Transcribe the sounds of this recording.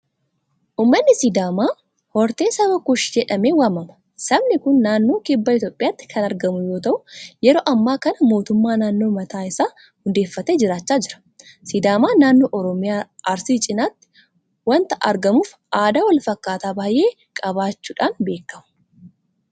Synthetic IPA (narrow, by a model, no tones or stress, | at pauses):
ʔuːmːɐnːɪsɪd̪aːmaː | hɔɾt̪e̞ːsɐbɐkʊʃd͡ʒɛᶑɐmeːwɐmɐmɐ̥ | sɐbnɪkʊnːaːnːo̞ːkɪbːɐɪt̪joːpʼːɪjaːt̪ːɪ̥kʰɐnɐɾɡɐmʊjo̞ːt̪ɐʔʊjɛɾo̞ːʔɐmːaːkɐnɐmo̞ːt̪ʊmːaːnaːnːoːmɐt̪aːɪsaː | hʊnd̪eːfːɐt̪eːd͡ʒɪɾaːt͡ʃːaːd͡ʒɪɾɐ̥ | sɪd̪aːmaːnaːnːo̞ːʔɔɾɔmɪjaːɐɾsiːt͡ʃʼɪnaːt̪ːɪ̥ | wɐnt̪ɐʔɐɾɡɐmuːf | ʔaːd̪awɐlfɐkːaːt̪aːbaːjʔe̞ː | kʼɐbaːt͡ʃːuːᶑaːnbe̞ːkːɐmʊ̥